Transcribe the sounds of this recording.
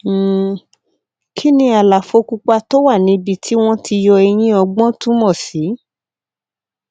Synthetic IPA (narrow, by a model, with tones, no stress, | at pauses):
kʰi˦nĩ˧a˨la˨fo˧ku˧k͡pa˧to˦wa˦˨nĩ˨˧˦bi˧tʰi˦w̃ɔ̃˦tʰi˧jɔ˧e˧j̃ĩ˦ɔ˧ɡ͡bɔ̃˦tũ˦mɔ̃˦˨si˨˦